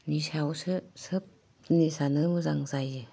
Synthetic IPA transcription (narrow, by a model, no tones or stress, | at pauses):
nisawsɯsɯp̚ | nisanɯmɯzaŋzajɯ